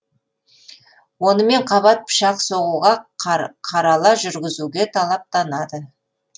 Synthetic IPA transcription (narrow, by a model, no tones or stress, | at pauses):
wo̞nəme̞ɴqʰɑβɑt̪̚pʰə̥ʃɑqso̞ʁuʁɑqʰɑɾɑlˠɑʒʏɾɡʲɪzuɡʲe̞t̪ʰɑlˠɑp̚t̪ɑnɑd̪ə